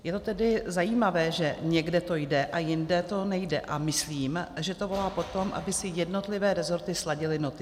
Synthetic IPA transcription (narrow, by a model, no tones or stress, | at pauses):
jɛt̪o̞t̪ɛdɪzajiːmavɛːʒɛɲɛɡdɛt̪o̞jdɛʔajɪndɛt̪o̞nɛjdɛʔamɪsliːmʒɛt̪o̞vo̞laːpo̞t̪o̞mʔa̰bɪsɪjɛdno̞t̪lɪvɛːɾɛzo̞ɾt̪ɪslaɟɪlɪno̞t̪ɪ